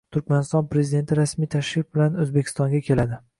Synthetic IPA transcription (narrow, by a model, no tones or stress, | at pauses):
t̪ʰʊɾkʲmanɪst̪ɒnpɾe̞zid̪e̞nt̪ʰɪɾasmijt̪ʰaʃɾɪf̚bɪlanɵzbe̞kʰʲɪ̥st̪ɒŋɡʲakʲʰe̞lad̪ɪ